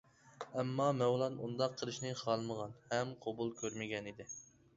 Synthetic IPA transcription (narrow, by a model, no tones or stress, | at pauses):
ɛmːɑmɛwlˠɑnund̪ɑqʰːəlˠɨʃnɨχɑlˠməʁɑnhɛmqʰobulˠkʲʰøɾmɪɡʲɛnid̪ɪ